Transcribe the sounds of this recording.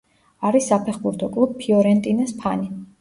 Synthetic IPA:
aɾisːapʰɛχbuɾt̪ʰɔkʼlˠub̚pʰːiɔɾɛnt̪ʼinɛspʰani

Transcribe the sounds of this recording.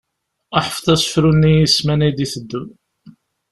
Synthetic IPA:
æħəfθˤæsˤə̥fɾunːijismænæjd̪iθəd̪ːəm

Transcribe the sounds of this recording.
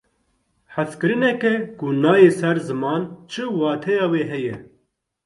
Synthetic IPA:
ħaskɨɾɨnɛkɛkunɑːjeːsɛɾzɨmɑːnt͡ʃʰɨwɑːt̪ʰɛjɑːweːɦɛjɛ

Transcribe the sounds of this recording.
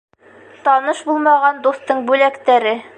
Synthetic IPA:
t̪ɒnɤʃbulˠmɑʁɑnd̪ust̪ɤɴbʉlækt̪æɾɘ

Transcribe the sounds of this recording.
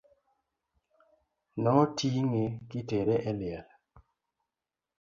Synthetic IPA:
nɔɔtiŋekiteɾɛʔɛlɪɛl

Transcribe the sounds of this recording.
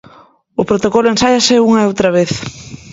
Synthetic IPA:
ʊpɾot̪okolʊẽnsajɐsɪuŋɐeowt̪ɾɐβeθ

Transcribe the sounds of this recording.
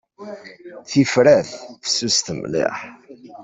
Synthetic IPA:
θifɾæθθə̥sust̪əmlɪ̰ħ

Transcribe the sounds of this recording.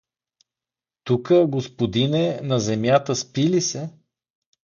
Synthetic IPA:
t̪ukəɡospod̪inɛnɐzɛmjat̪əspilisɛ

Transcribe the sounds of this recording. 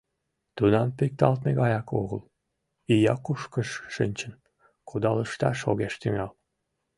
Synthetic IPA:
t̪unɑmpek̚t̪ɑlt̪meɣɑjɑko̰ɣəl | ijɑkuʃkəʃːinʲt͡ɕən | kud̪ɑləʃt̪ɑʃoɣeʃt̪yŋɑl

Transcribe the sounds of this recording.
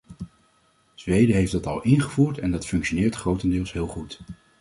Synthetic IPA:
z̥ʋejdəɦejfdɑtɑ̰lˠɪnχəvuːɹtɛndɑtfɵŋkʃonɪːɹtχrowtəndɪːlˠsɦɪːlˠχut

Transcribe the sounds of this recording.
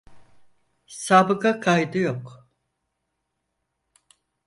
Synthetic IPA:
sabɯkakʰajd̪ɯjok

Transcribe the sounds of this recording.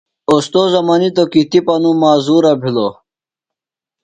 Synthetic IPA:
ost̪ozɐmanit̪̬okit̪ipɐnũmaːzuːɾɐbʱilo

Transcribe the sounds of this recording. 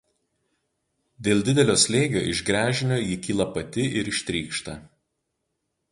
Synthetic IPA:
d̪ʲeːlˠʲd̪ʲɪd̪ʲɛlʲoːsʲlʲeːɡʲo̰ːʔɪʒɡɾʲæːʒʲɪnʲoːjɪkʲiːlˠɐpɐt̪ʲɪʔɪɾɪʃʲt̪ʲɾʲiːkʃt̪ɐ

